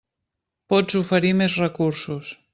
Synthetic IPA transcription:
pɔd͡zufəɾimezrəkuɾsus

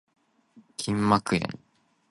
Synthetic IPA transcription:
kʲʰĩmːakɯ̟ḛ̃ŋ

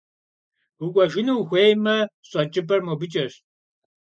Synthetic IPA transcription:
ukʷʼɐʒɪnuwxʷeːjmɐ | ɕʼɐt͡ʃʼɪpʰʼɐrmobɨt͡ʃʼɐɕ

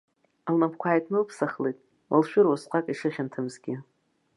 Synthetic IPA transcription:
alnapʰkʷʰaːjtʼʰnɨlpʰsaχlejtʼ | lʃᶣʊɾwasqʷʰʼakʼiʂɨχʲantʰɨmzɡʲɪ

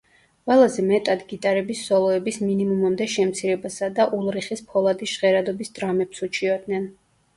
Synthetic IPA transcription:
qʼwɛlˠazɛmɛt̪ʼad̪ɡit̪ʼaɾɛbisːɔlˠɔɛbisminimumamd̪ɛʃɛmt̪sʰiɾɛbasad̪aʔulˠɾiχispʰɔlˠad̪isʃʁɛɾad̪ɔbisd̪ɾamɛpsut͡ʃʰiɔd̪nɛn

